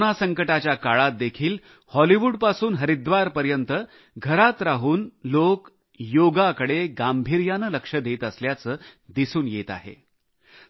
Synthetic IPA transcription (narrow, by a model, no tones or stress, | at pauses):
nasəŋkəʈat͡ɕjakaɭat̪̚d̪ekʰiːl | hɔliʋuːɖpasuːnɦəɾid̪ʋaɾpəɾjənt̪ə | ɡʱəɾat̪ɾaɦuːnlok | joɡakəɽeɡambʱiɾjanələkʂəd̪et̪əsljat͡səːd̪isuːnjet̪a̰ɦḛ